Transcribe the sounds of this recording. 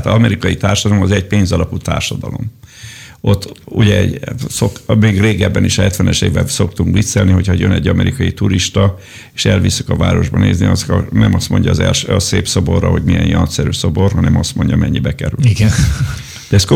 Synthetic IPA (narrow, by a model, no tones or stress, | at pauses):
t̪ɒmɛɾikɒjit̪aːrʃɒd̪ɒlomɒzɛɟ̚peːnzɒlɒput̪a̰ːrʃɒd̪ɒlo̞̰m | ʔo̞t̪ːuɟɛɛɟsokmeːɡreːɡɛbːɛniʃhɛt̪ʋɛnɛʃeːvɛnso̞k̚t̪uŋkʋiseːlniɦo̞chɒjønɛɟːɒmɛɾikɒjit̪uɾiʃt̪ɒ | eʃɛlvisikɒvaːɾo̞ʒbɒnḛːzniɒzkɒnɛmɒst̪mo̞̰ɲɟɒːzɛlʃøːɒseːpso̞bo̞rːɒɦo̞ɟmijɛnjɒnt̪sɛɾyːso̞bo̞rɦɒnɛmɒst̪mo̞ɲɟɒmɛɲːibɛkɛɾylɡn | d̪ɛɛsko